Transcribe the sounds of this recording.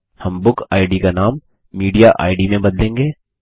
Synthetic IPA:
hɐmbʊkaːɪɖikanaːmː | iːɖijaʔa̰ːɪɖimẽbɐd̪lẽːŋɡeː

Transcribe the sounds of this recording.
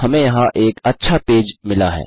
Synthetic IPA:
hɐmẽjɐɦãʔeːkɐtːʃʰapeːd͡ʒmɪlaɦɛ̰ː

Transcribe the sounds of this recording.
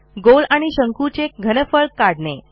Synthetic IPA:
ɡolaɽ̃iɕəŋkut͡ɕek̚ɡʱənəfəɭkːaɽɳe

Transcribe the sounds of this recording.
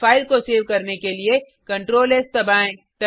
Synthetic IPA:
aːɪlkoseːɾʋkɐɾnekelie | kɐ̃ɳʈɾoːleːst̪ɐbaːẽ | t̪ɐ

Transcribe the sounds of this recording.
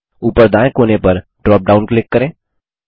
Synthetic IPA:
upəɾd̪ãːẽkoːnepəɾɖɾɔːp̚ɖaʊnkleːkːəɾẽː

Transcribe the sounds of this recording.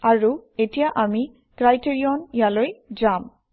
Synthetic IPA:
aɹuetijaʔami | ɡ̥ɹajteɹiɔnjalojd͡ʒam

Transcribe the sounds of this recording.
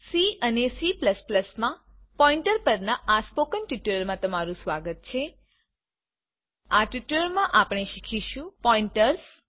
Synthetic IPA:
siənesipləspləsmã | pɔĩɳʈəɾpəɾnaʔaspokənʈuʈəɾmãt̪əmaɾũsʋaɡət̪̚t͡ʃʰe | aʈjuʈləɾmãʔapɳ̃eʃikʰiʃũpɔĩɳʈəɾs

